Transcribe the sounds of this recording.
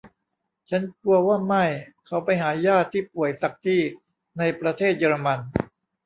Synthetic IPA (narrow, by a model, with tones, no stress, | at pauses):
t͡ɕʰa˦˥nku˧ɐwaː˥˩ma˥˩jkʰa˨˦˥wpa˧jɦaː˩˦jaː˥˩t̪ʰːiː˥˩pu˨˩əjsa˨˩k̚t̪ʰiː˥˩ | na˧jpɾa˧t̪ʰeː˥˩t̪̚jɤː˧ɾa˧ma˧n